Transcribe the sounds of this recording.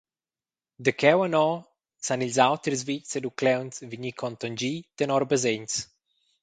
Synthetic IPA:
d̪əkʰɛwənɔ | sanilzawt̪ɾizvised̪uklɛwnsviɲikʰɔnt̪ɔnd͡ʒit̪ənɔɾbəzeɲs

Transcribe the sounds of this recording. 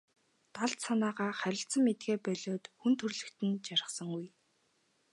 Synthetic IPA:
t̪aɮt̪sanaːʁaːχæɾʲɪ̆ɬt̪sə̆mːet̪ɡeːpœɮoːt̪xunt̪ʰɵrɮɘ̆kt̪ɘ̆nt͡ɕaɾʲɪ̆χsə̆ŋuj

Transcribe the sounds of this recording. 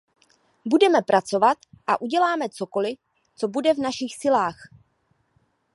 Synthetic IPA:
budɛmɛpɾʔat͡so̞vat̪ʔaʔuɟɛlaːmɛt͡so̞ko̞lɪ | t͡so̞budɛvnaʃɪxsɪlaːx

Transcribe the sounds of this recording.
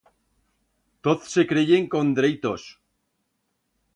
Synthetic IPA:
t̪oθsekɾeʝeŋkond̪ɾejt̪os

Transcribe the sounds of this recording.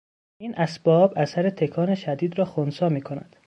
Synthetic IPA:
ʔiːnʔæsb̥ɒːbʔæsæɾet̪ʰe̞kʰɒːneʃæd̪iːd̪ɾɒːxonsɒːmiːkʰonæ̰d̪̥

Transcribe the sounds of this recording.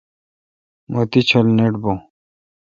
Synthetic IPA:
mot̪it͡ɕʰɐlneʈbo

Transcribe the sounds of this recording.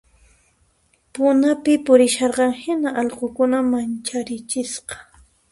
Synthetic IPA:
pʊnapɪpʊɾɪʃɑɾqɑŋhɪnaʔɑʎqokʊnamant͡ʃaɾɪt͡ʃɪsqɑ̥

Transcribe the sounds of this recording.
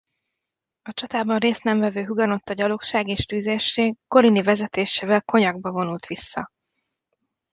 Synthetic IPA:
ɒt͡ʃɒt̪aːbɒnreːst̪nɛɱvɛvøːɦuɡɒno̞t̪ːɒɟɒlokʃaːɡeːʃt̪yːzeʃeːɡko̞ɾinivɛzɛt̪eːʃeːvɛlko̞ɲɒɡ̚bɒvo̞nult̪ʋisːɒ̰

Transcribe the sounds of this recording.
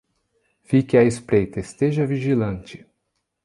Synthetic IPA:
fikɪɐespɾejt̪ɐest̪eʒɐviʒilɐ̃nt͡ʃɪ̥

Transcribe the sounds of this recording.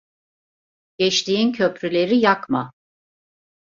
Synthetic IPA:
ɟ̥ɛt͡ʃt̪iincʰø̞pɾylʲe̞ɾijakma

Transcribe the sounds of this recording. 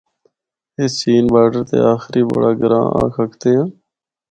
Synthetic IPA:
ɪt͡ʃiːnbaːɖəɾt̪ḛːaːxɪɾiːbəɽaːɡəɾã̰ːa̰ːkʰəkʰt̪eːãː

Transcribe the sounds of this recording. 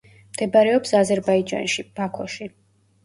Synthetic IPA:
md̪ɛbaɾɛɔpsazɛɾbaid͡ʒa̰nʃib̥akʰɔʃi

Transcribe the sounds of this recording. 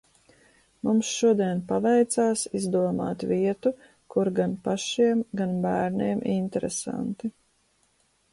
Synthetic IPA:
mumsʃuɔd̪iɛnpavɛjt̪saːsizd̪uɔma̰ːt̪viɛt̪u | kuɾɡanpaʃiɛmɡanbæːɾniɛmʔint̪ɛɾɛsa̰nt̪i

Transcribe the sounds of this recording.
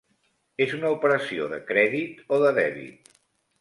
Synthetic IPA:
ezunəupəɾəsio̰ðəkɾɛðit̪oðəðɛβḭt̪̚

